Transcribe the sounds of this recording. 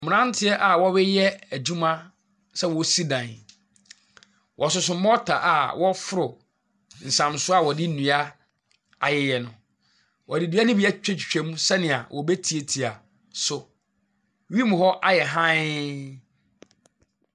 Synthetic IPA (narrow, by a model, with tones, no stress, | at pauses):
mʊ̃˨nã˦n˦tʰɪ˦ɛ˦ʔa˨wɔ˦wɛ˦jɛ˦æ˨d͡ʑũ˦mã˦ | sɛ˦wɔ˨si˦dã˨n˨ | wʔɔ˨sʊ˦sʊ̃˨˦ɔ˦tʰa̰˨ʔa˨wɔ˦fʊ˦ɾʊ˨ | n̩˨sã˨msʊ˦a˦˨wɔ˨dɪ˦nũ˨a˦ | a˨jɛ˨jɛ˨nʊ̃˨ | wɔ˨dɪ˨di˦a˦nɪ̃˦bɪ˦ɛ˦t͡ɕᶣɛ˦t͡ɕᶣi̥˨t͡ɕᶣɛ˨mũ˦sɛ˦nɪ̃˨a̰˨wʔɔ˨be˦tʰi˨e˨tʰi˨a˨ | sʊ˨˦ | ɥi˦mʊ̃˨hɔ˦ʔa˦jɛ˨ɦã˦